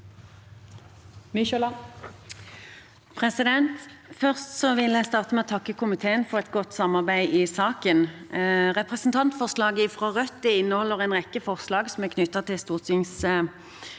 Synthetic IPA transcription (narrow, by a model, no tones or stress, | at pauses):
mɪʃəlɑ | pʰʁɛsɪd̪ɛnt̪fœʁst̪sɔʋɪlæɪst̪ɑːʁt̪əmɛɔt̪ʰɑkːəkʰʊmɪt̪ʰeːənfɔʁɛt̪ɡɔt̪ːsɑmɑʁbæɪʔɪsɑːkənʁɛpʁɛsn̩t̪ʰɑnt̪fɔʁslɑːɡəɪfʁɑːʁœt̪ːɪɪnːəhɔlːəʁɛnʁɛkːəfɔʁslɑːɡsɔmɛkʰnʏt̪ːɑt̪ɪlst̪uːʁt̪ɪŋs